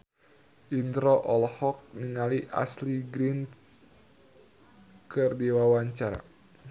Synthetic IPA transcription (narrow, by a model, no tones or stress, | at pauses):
ʔint̪ɾoʔɔlhɔk̚niŋaliʔa̰sliɡɾin | kɨrdiwawaɲt͡ʃaɾa̰